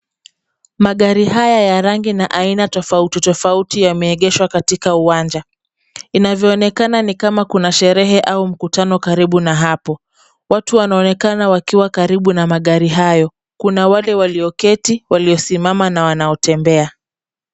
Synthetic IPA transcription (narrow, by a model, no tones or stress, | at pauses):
maɠaɾihajajaɾaŋɡinaʔainatɔfautitɔfautijamɛːɠɛʃwakatikauwand͡ʒa | inavjɔːnɛkananikamakunaʃɛɾɛɦɛʔaum̩kutanɔkaɾiɓunaɦapɔ | watuwanaɔnɛkanawakiwakaɾiɓunamaɠaɾiɦajɔ | kunawalɛwaliɔkɛtiwaliɔsimamanawanaɔtɛmbɛa